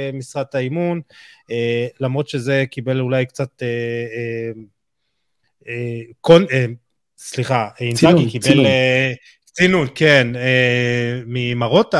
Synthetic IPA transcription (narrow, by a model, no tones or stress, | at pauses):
misʁat̪aimunelamʁo̞t̪ʃeze̞kibe̞lulajkt͡sat̪e | ekone | sliχaintaɡikibel | t͡sinunkene | mimaʁo̞ta